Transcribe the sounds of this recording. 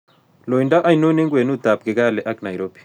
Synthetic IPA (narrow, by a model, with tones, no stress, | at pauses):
lo˨inda˦ʔa˦i˨no˦nɛ˦ŋɡwe˨nu˦d̪a˨p̚ɡɪ˨ɡa˦lɛ˨ʔa˦kna˨jɾo˦b̥i̥˨